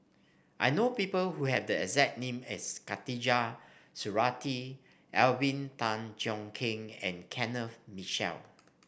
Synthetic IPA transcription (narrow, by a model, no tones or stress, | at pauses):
ʔa̰jnopipəlhuhɛvdəɛsɛt̚nẽmɛ̰skatid͡ʒasuɹati | ʔɛlbĩntãnd͡ʒɔ̃ŋkʰɪ̃ŋɛ̰̃nkʰɛ̃nəfmiʃɛ̰l